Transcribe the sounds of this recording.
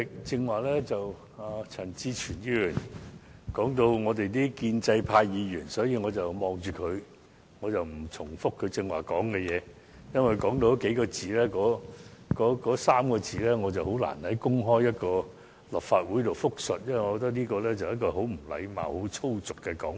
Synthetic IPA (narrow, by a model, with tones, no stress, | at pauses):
ɪ˨k̚t͡sɪ˧ŋwaː˨k̚lɛː˥t͡sɐ˨w | aː˨t͡sʰɐ˨˩nt͡siː˧t͡ʃʰyː˨˩njiː˧yː˨˩n | kɔː˨˥ŋt̪̬o˧wŋɔː˨˧t̪e˨jt̪iː˥kiː˧nt͡sɐ˧jpʰaː˧jjiː˨˧jyː˨˩nsɔː˨˥jiː˨˧ŋɔː˨˧t͡sɐ˨wmɔː˨˧ŋt͡ʃyː˨kʰɵ˨˧ɥ | ŋɔː˨˧t͡sɐ˨wm̩˨˩t͡sʰʊ˨˩ŋfʊ˥kʰːɵ˨˧ɥt͡sɪ˧ŋwa̰ː˨˩kɔː˨˥ŋkɛ˧jɛː˨˧ | jɐ˥nwɐ˨˩kɔː˨˥ŋt̪o˧˥ke˨˥jkɔː˧t͡siː˨lɛː˥kɔː˨˥kɔː˨˥kɔː˨˥saː˥mkɔː˧t͡siː˨lɛː˥ŋɔː˨˧t͡sɐ˨who˨˥wla̰ː˨˩nhɐ˨˥jkʊ˥ŋɦɔː˥jjɐ˥t̚kɔː˧ | lɐ˨˩p̚faː˧t̚wuː˨˥jt̪o˨wfʊ˥k̚sɵ˨t̚jɐ˥nwŋɔ˨˧kːɔː˧t̪ɐ˥k̚niː˥kɔː˧lɛː˥t͡sɐ˨wjɐ˥t̚kɔː˧ɦo˨˥wm̩˨˩lɐ̰˨˧jma̰ː˨˩who˨˥wt͡sʰo˥wt͡sʊ˨kːɛ˧kɔː˨˥ŋ